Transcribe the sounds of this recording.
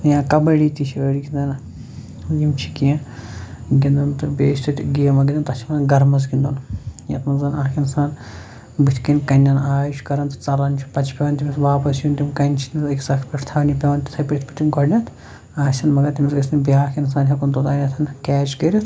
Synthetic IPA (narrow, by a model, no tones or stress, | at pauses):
jãːkɐbɐɽiːt̪it͡ʃʰiɐɽiɡʲind̪ɐn | jimt͡ʃʰi̥kijã | ɡʲind̪ɐnt̪ɨbʲeːʃʲt̪ɐt̪ʲɡijɐmɐɡʲind̪ɐnt̪ɐt͡ʃʰimɐnɡɐɾmɐz̬ɡʲind̪unjɐ̰t̪mɐnzɐnaːkʰinsaːn | bɨt̪ʰʲkinʲkɐnʲːɐnaːjʃkɐɾɐnt̪ɨ̥t͡sɐlɐnt͡ʃʰi̥pɐt͡ʃʰpʲeʋɐnt̪ʲimʲsʋaːpɐsjunt̪imkɐnʲt͡ʃʰinʲɐt̪iksɐkʰpʲɐʈʰt̪ʰɐʋnʲipʲeʋɐnt̪ʲi̥t̪ʰɐpʲiʈʲit̪ʰpɐt̪ʲimkɐɽnʲɐt̪ʰ | aːʃʲɐnmɐɡɐt̪imʲisɡɐsnibiaːkʰins̬aːnɦʲɐkunt̪od̪aːnʲɐt̪ʰɐnkʲɛːt͡ʃkɐɾit̪ʰ